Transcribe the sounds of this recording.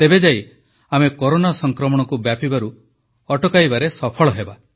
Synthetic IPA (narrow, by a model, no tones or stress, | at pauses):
t̪ebed͡ʒaj | amekoɾonasɔŋkɾɔmɔɽ̃ɔkubjapibaɾu | ɔʈɔkajbaɾesɔpʰɔɭɔɦeba